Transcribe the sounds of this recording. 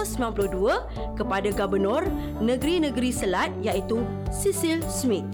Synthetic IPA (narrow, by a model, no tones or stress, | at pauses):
səmbilampuluhduə | kəpadaɡabənɔ̃r | nə̃ɡɾinə̃ɡəɾisəlat̪̚jait̪u | sisilsmĩt̪̚